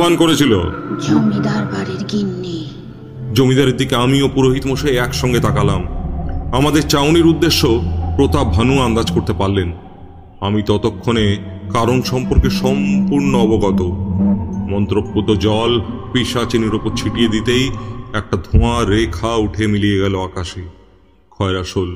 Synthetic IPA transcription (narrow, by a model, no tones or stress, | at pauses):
bankoɾet͡ɕʰilo̰d͡ʑomid̪aɾbaɾiɾɡinːi | d͡ʑomid̪aɾeɾd̪ikeamiopuɾoɦit̪moʃeɛkʃɔŋɡet̪akalamamad̪eɾt͡ɕawniɾud̪ːeʃːopɾot̪abʱanuand̪ad͡ʑkoɾt̪epaɾlen | amit̪ɔt̪okʰːonekaɾonʃɔmpoɾkeʃɔmpuɾnoɔboɡɔt̪o | mɔnt̪ɾop̚ːot̪od͡ʑɔlpiʃat͡ɕiniɾopoɾt͡ɕʰiʈijed̪it̪ejɛk̚ʈad̪ʱõaɾekʰauʈʰemilieɡɛloakaʃi | kʰɔeɾaʃol